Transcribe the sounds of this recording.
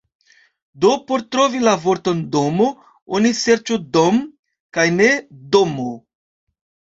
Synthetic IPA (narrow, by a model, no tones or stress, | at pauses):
do̞po̞ɾtɾo̞vilavo̞ɾto̞ndo̞mo | onise̞ɾt͡ʃodom | kajne̞domo